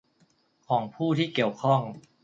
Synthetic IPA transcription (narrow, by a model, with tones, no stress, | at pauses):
kʰɔː˩˦ŋpʰuː˥˩t̪ʰiː˥˩ki˨˩əwkʰɔ˥˩ŋ